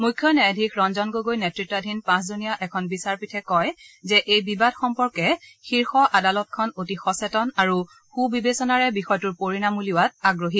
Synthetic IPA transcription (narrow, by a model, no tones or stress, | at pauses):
mujkʰːjɔnaadʱikʰɹɔnzɔnɡojɡojnetɹitːadʱinpãs̬zunijaʔɛkʰɔnbisaɹpitʰɛkɔjzɛʔejbibadxɔmpɔɹkɛxiɹxɔʔadalɔt̚kʰɔnotixɔsɛtɔnaɹu | xubibesɔnaɹɛbixɔjtuɹpoɹinamuliwat̚aɡɹoɦit